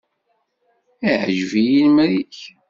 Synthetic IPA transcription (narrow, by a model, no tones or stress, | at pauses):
iʕʒvijinmɾiç